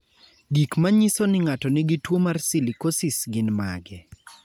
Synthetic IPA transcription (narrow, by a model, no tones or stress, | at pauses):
ɡikmaɲisonɪŋatɔnɪɡɪtwomarsilikosɪsɡɪnma̰ɡɛ